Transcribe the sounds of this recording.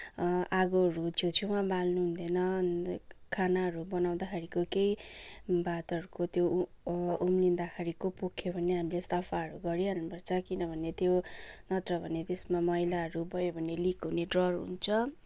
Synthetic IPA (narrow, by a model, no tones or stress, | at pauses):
ʔaɡoɾut͡sʰot͡sʰuwabalnuɦund̪ʌnʌnkʰanaɦʌɾubʌnaw̃d̪akʰaɾikokej | bat̪ʌɾukot̪jo | umlind̪akʰaɾikopokʰjobʱʌneɦamilest̪ʌpʰaʌɾuɡʌɾiɦʌnnubʌrt͡sʰʌkinʌbʱʌnet̪jonʌt̪rʌbʱʌnet̪esmamʌjlaɦʌɾubʌjobʱʌnelikɦuneɖrʌrɦṵnt͡sʰʌ